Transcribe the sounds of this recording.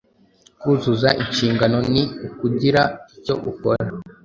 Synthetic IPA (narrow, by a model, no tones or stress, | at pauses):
kuzuzaʔiʃiːŋɡano̞niukuɟiɾaico̞̰ʔukoɾa